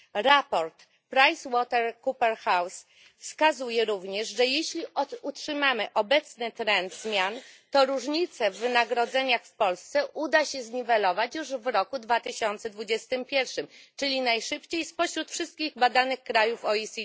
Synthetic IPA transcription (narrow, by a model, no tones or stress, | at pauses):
ɾapɔɾt̪ | pɾajswɔt̪ɛɾkupɛɾxaws | fskazujɛɾuvɲɛʐʐɛjeɕlʲiɔutʂɘmamɘʔɔbɛt̪snɘt̪ɾɛnd̪zmʲjant̪ɔɾuʐɲit̪sɛvːɘnaɡɾɔd̪zɛɲaxfpɔlst̪sɛʔud̪aɕɛzɲivɛlɔvat͡ɕjuʐvɾɔkud̪vat̪ɘɕɔnt̪sɛd̪vud͡ʑɛst̪ɘmpʲjɛɾfʂɘmt͡ʂɘlʲinajʂɘpt͡ɕejspɔɕɾut̪fʂɘst̪̚kʲiɣbad̪anɘxkɾajufɔisʲi